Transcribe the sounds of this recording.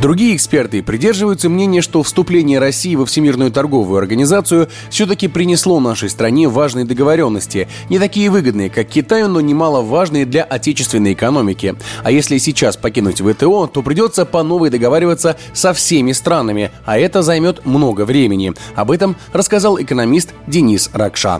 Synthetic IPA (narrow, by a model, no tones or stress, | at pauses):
d̪ɾʊɡʲijəɪkspʲe̞rt̪ɨpɾʲɪdʲe̞rʐɨvəjʊt̪səmnʲenʲɪjəʂt̪o̞fst̪ʊplʲenʲɪjəɾɐsʲːijːvəfsʲɪmʲirnʊjʊt̪ɐrɡo̞vʊjʊɐrɡənʲɪzat̪sɨjʊ | fsʲɵt̪̬əkʲɪpɾʲɪnʲɪslˠo̞vnaʂəjst̪ɾɐnʲevaʐnəjəd̪əɡəvɐɾʲo̞nːəsʲtʲɪ | nʲɪt̪ɐkʲijəvɨɡəd̪̚nɨjəkakʲːɪt̪ajʊno̞nʲɪmalˠəvaʐnɨjəd̪lʲɐʔɐtʲet͡ɕɪst̪vʲɪnːəjɪkɐno̞mʲɪkʲɪɐjesʲlʲɪsʲɪt͡ɕaspɐkʲinʊtʲvət̪ɛo̞t̪o̞pɾʲɪdʲo̞t̪səpɐno̞vəjd̪əɡɐvaɾʲɪvət̪sə | sɐfsʲemʲɪst̪ɾanəmʲɪ | ɐɛt̪əzɐjmʲo̞t̪mno̞ɡəvɾʲemʲɪnʲɪɐbɛt̪əm | rəskɐzalˠɪkənɐmʲist̪dʲɪnʲisrɐkʂa̰